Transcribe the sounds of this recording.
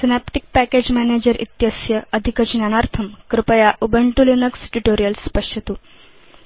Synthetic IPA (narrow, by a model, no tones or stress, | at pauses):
sinapʈik̚pæked͡ʑmæned͡ʑəɾḭt̪jəsjəəd̪ʱikət͡ɕnañaɾt̪ʰəmkɾɪpəjaʔubəɳʈulinəksʈuʈoɾijəlspəʂət̪u